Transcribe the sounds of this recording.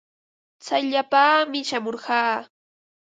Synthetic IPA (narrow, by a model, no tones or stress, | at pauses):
t͡sajʎapaːmɪʃamoɾɢɑː